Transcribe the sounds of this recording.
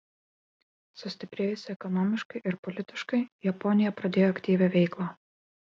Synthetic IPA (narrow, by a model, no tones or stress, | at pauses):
sʊsʲt̪ʲɪpʲɾʲeːjʊsʲɪɛkɔnɔmʲɪʃkɐɪʔɪɾpɔlʲɪt̪ʲɪʃkɐɪjɛpɔnʲɪjɛpɾɐd̪ʲeːjoɐkʲt̪ʲiːʋʲɛʋʲɛɪklˠaː